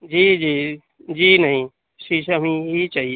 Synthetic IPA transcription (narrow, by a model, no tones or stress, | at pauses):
d͡ʒiːd͡ʒiː | d͡ʒiːnɐɦĩ | ʃiʃɐmĩɦit͡ʃaɦi